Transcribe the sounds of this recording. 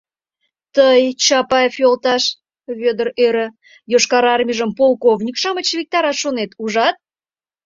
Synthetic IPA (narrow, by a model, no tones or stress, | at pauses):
t̪əjt͡ɕɑpɑjfjolˠt̪ɑʃ | βʲød̪ərøɾə̆ | joʃkɑɾɑrmʲiʒəmpolˠkovnʲikʃɑmət͡ɕvʲik̚t̪ɑɾɑʃonet̪uʒɑt̪̚